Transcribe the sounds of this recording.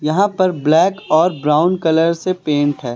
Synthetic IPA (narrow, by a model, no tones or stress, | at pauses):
jɐɦãpɐɾblɛːkɔːɾbɾaːʊnkɐləɾsepẽːɳʈɦɛː